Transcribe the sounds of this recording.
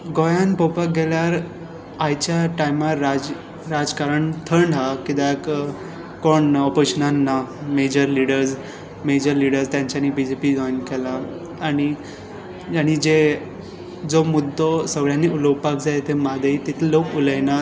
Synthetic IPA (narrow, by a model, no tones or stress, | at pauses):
ɡojanpɔwpak̚ɡɛljaɾ | ajt͡ɕjaʈajmaɾa | ɾad͡zkaɾəɳt̪ʰəɳɖʱakid̪ak | koɳɔpeɕənanːamed͡ʑəɾliɽəɾd͡z | med͡ʑəɾliɽəɾst̪jãɲt͡ɕanibid͡ʑepiːɡɔjankɛlaː | ɽ̃i | aɽ̃id͡ʑe | d͡zomud̪ʱːɔsəɡɭjanːiʔulowpakd͡zaet̪emad̪ʱəit̪it̪ʰelokuləjna